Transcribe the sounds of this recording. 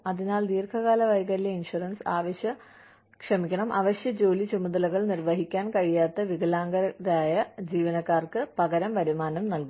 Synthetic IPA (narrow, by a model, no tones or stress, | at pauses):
ɐðinaːld̪iːrkʰɐɣaːlɐʋɐjɡɐɾileinʂurɐnsaːʋɐɕjɐ | kʂɐmikʲːɐɳɐmʔɐʋɐɕjɐd͡ʑo̞ːlit͡ɕumɐðɐlɐɣɐɭnirʋɐɦikʲːaːnkɐɻijaːt̪ːɐʋiɡɐlaːŋɡɐɾɐɾaːjɐd͡ʑiːʋɐnɐkːaːrkɨpɐɣɐɾɐmʋɐɾumaːnɐmnɐlku